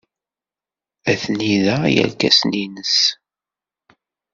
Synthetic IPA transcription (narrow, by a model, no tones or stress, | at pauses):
æθniðæjæ̰lkæ̰sninəs